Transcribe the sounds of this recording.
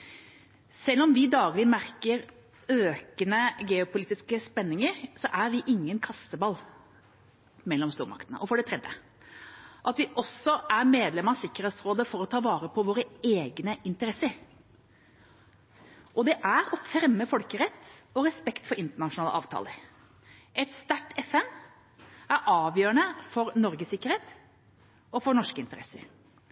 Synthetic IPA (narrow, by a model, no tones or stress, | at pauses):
sɛlːɔmʋɪd̪ɑːɡlɪmæɾkəɾ | øːkənəɡɛːʊpʊliːt̪ɪskəspɛnːɪŋəɾsɔʔæɾʋɪʔɪŋːənkʰɑst̪əbɑlː | mɛlːɔmst̪uːɾmɑ̰kt̪ənə̰ʔɔfɔɖɛt̪ʰɾɛd̪jə̰ | ʔɑt̪ʋɪʔɔsɔʔæɾmeːd̪lɛməɑsɪkːəɾheːt̪sɾoːd̪əfɔɾɔt̪ʰɑːʋɑːɾəpʰɔʋoːɾəeːɡnəɪnt̪əɾɛsəɾ | ʔɔd̪ɛʔæɾɔfɾɛmːəfɔlkəɾɛt̪ːɔɾɛspɛkt̪fɔɾɪnt̪əɳɑʂʊnɑːlə̰ʔɑ̰ːʋt̪ʰɑ̰ːləɾ | ʔɛt̪st̪æʈːɛfɛn | æɾʔɑːʋjøːɾəɳəfɔɾnɔɾɡəsɪkːəɾeːt̪ | ɔfɔɳɔʂkəɪnt̪əɾɛ̰sə̰ɾ